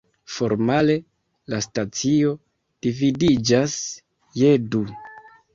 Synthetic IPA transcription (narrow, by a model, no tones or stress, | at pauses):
fo̞ɾmale̞ | lastat͡sio̞ | d̥ividid͡ʒas | je̞du